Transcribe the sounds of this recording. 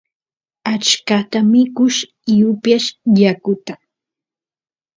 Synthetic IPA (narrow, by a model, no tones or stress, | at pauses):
at͡ʃkat̪amɪkʊʃ | ɪjʊpjaʃjakʊt̪a